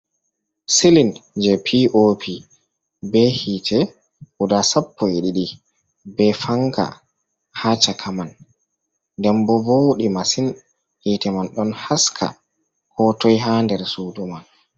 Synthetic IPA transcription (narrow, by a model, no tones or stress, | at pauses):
silind͡ʒɛpʰiʔopʰi | bɛhiːtʰɛ | hudasapːɔjeɗiɗi | bɛfaŋka̰ | hat͡ʃakʰaman | dɛmbɔboɗimasin | hiːtɛmanɗɔnhaskʰa̰ | hɔːtɔjɦaːndɛɾsuduman